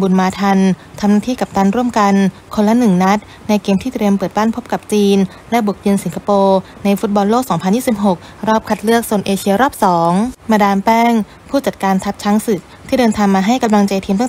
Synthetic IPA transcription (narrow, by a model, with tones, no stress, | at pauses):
bu˨˧nmaː˧t̪ʰa˧nt̪ʰa˧mnaː˥˩t̪ʰiː˥˩ka˨˩p̚t̪a˧nɾu˥˩əmka˧n | kʰo˧nla˦˥nɯ˨˩ŋna˦˥t̪̚ | na˧jkeː˧mt̪ʰiː˥˩t̪ɾi˧əmpɤː˨˩t̪̚baː˥˩npʰo˦˥p̚ka˨˩p̚t͡ɕiː˧n | lɛ˦˥bu˨˩ək̚ji˧nsi˩˦kʰa˧poː˧ | na˧jfu˦˥t̪̚bɔ˧nloː˥˩k̚sɔː˩˦ŋpʰnjiː˥˩si˨˩p̚ɦo˨˩k̚ | ɾɔː˥˩p̚kʰa˧˩t̪̚lɯ˥˩ək̚so˨˩ənʔeː˧t͡ɕʰi˧ɐɾɔː˥˩p̚sɔː˩˦ŋmaː˧daː˧npɛː˥˩ŋ | pʰuː˥˩t͡ɕa˨˩t̪̚kaː˧nt̪ʰa˦˥t̪̚t͡ɕʰa˦˥ŋsɯ˨˩k̚t̪ʰiː˥˩dɤː˧nt̪ʰaː˧ŋmaː˧ɦa˥˩jka˧mla˧ŋt͡ɕa˧jt̪ʰiː˧mt̪a˥˨